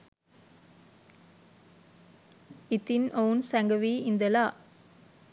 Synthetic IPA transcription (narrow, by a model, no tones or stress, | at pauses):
ɪt̪ːɪnoːnsɛŋɡɐʋiːɪnd̪ɐlaː